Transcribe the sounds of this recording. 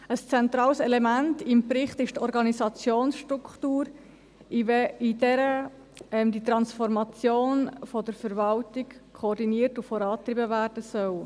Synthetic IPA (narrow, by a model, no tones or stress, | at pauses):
əst͡sɛnt̪ɾɑːlsɛlɛmæntɪmpɾɪχtɪʃtɔɾɡɑnisɑt͡sjoːnsʃtɾukχtuːɾ | idɛɾə | ɛmdit̪ɾɑnsfɔɾmɑt͡sjoːnfɔdəɾfəɾvɑltikkʰɔːɾdiniəɾtufɔɾɑːtɾibəvæːɾd̥əsœw